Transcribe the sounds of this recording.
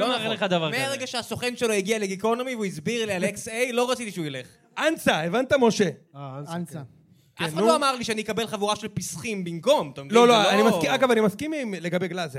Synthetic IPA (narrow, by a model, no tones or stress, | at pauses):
loaleχad̪avaʁmeaʁeɡaʃeaso̞χenʃelo̞jiɡialeɡiko̞nomivuizbiʁlialeksejlo̞ʁat͡sit̪iʃeujele̞χ | ʔansaevant̪amo̞ʃena | kenuoamaʁliʃeanijkabe̞lχavuʁaʃelpisχimbimko̞mt̪omloloanimaskiaɡavanimaskimmleɡabeɡlaze